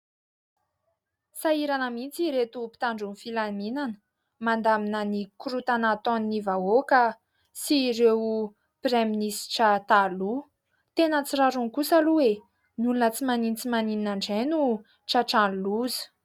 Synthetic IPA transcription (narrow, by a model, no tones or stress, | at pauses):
saiɾanəmint͡siɾet̪upi̥t̪aɳɖ͡ʐunfilaminanə̥ | mand̪aminənikuɾut̪anat̪oninivaokə | siɾew | preminisi̥ʈ͡ʂat̪alu | t̪enət͡siraɾuŋkusaluwe | nulunət͡simanint͡simanininaɳɖ͡ʐenu | ʈ͡ʂaʈ͡ʂanluzə̥